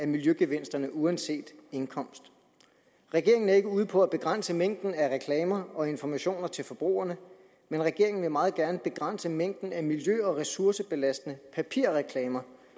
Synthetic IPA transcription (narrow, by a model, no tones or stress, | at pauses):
æɐmiljøɡ̥eʋen̰sd̥ɐnəʔuænse̝̰ːd̥e̝nkʰɒ̽m̰sd̥ | ʁɛɡ̥e̝ɐ̰e̝ŋn̩æɐe̝ɡ̥əuːð̞̩ˠpʰɒ̽æb̥e̝ɡ̥ʁan̰səmeŋ̰d̥n̩æʁɛkʰlɛːmɐɒ̽e̝nfɒmæɕo̝̰ːnɐt͡sʰe̝lfɒ̽b̥ʁṵːɐnə | menʁɛɡ̥e̝ɐ̰e̝ŋn̩ʋe̝mɑ̈ːð̩ˠɡ̥æɐnəb̥e̝ɡ̥ʁän̰səmeŋ̰d̥n̩æmiljøɒ̽ʁɛsuɐsəb̥e̝læsd̥ənəpʰæpʰiɐ̰ʁɛkʰlɛːmɐ